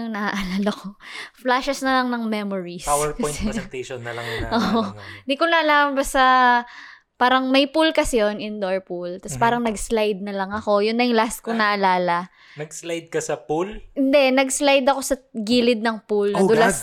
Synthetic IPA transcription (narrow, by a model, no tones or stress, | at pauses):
ʊŋnɐaʔɐlaːlɐko̞flaʃɛsnɐlɐŋnɐŋmɛmoɹisawɛɹpkɐɔjtɛɛnt̪ɛjʃonːɐlɐŋʔoʔond̪ikonɐʔɐlaːmɐbast̪ɐ | paːɾɐŋmɐjpulkɐsɪjonɪnd̪oɹpult̪ɐspaːɾɐŋnɐɡslajd̪̚nɐlɐŋɐko̞jʊnːɐjʊŋlast̪̚konɐʔɐlaːlɐ | nɐɡslajd̪̚kɐsɐpulɪnd̪ɛnɐɡslajd̪ɐko̞sɐɡiːlɪd̪̚nɐŋpulnɐd̪ʊlɐs